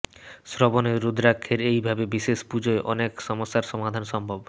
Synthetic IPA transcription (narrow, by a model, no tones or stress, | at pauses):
sɾoboneːud̪ʱɾakʰːeɾejbʱabebiʃeʃpud͡ʑoeʔɔnekʃɔmosːaɾʃɔmad̪ʱanʃɔmbʱob